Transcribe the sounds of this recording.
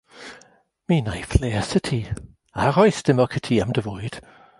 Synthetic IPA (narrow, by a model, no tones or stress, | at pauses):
miːnajfleːsətʰi | aɾɔjsd̥ɪmɔkʰətʰiamdəvuɨd̥